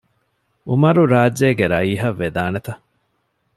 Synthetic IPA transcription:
umɐɾuɾaːd͡ʒːeːɡeɾɐiːɦɐʋːed̪aːnet̪ɐ

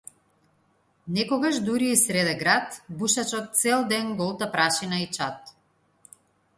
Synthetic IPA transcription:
nɛkɔɡaʃd̪uɾiːsɾɛd̪ɛɡɾat̪buʃat͡ʃɔt̪̚t̪sɛlˠd̪ɛnɡɔlˠt̪apɾaʃinait͡ʃat̪

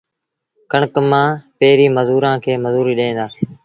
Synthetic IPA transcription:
kəɳəkmãːpeːɾiːməzuːɾãːkʰeːməzuːɾiːɗẽːnd̪aː

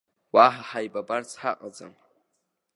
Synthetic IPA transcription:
waħaħajbʼabart͡sʰħaqʼad͡za̰m

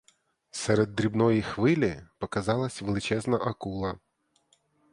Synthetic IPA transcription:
sɛɾed̪ːɾʲibnɔjixʋɪlʲɪpɔkɐzɑlˠɐsʲʋelˠɪt͡ʃɛznɐʔɐkulˠɐ

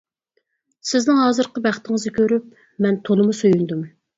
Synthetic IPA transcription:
sɪznɪŋɦɑːzɨɾqəbæχt̪ɪŋɨzɪkʲʰøɾyp̚ | mɛnt̪ʰolˠɨmusojynd̪um

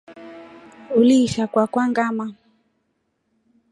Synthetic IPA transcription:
uliːʃakwakwaŋɡama

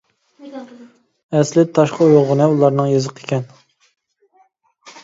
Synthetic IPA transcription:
ɛslɪt̪ʰɑʃqʰəoʁʊnɨulˠɑɾnɨŋjɨzəqʰe̥kʲʰɛn

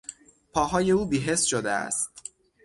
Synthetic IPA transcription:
pʰɒːɦɒːje̞uːbiːɦe̞sʃod̪ḛæ̰st̪

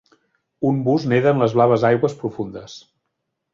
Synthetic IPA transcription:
umbuzneðəːnləzβlaβ̞əzajɣwəspɾufund̪əs

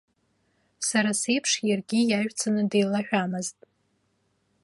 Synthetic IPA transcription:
saɾase̞jpʰʂjarɡʲijaʒʷᶣt͡sʰanɨdejlaħᶣamɨztʼ

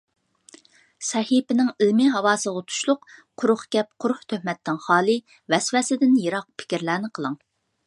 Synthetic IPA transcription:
sɛhipɪnɪŋilmɪɦɑwɑːsəʁɑt̪ʰu̥ʃlˠʊqqʰʊɾʊχkʲɛp̚qʰʊɾχt̪ʰøhmɛt̪ʰːɪŋχɑːlˠɨ | vɛswɛsɪd̪ɪnjeɾɑq̚pʰɪ̥kʲiɾlæːnɪqʰəlˠɨŋ

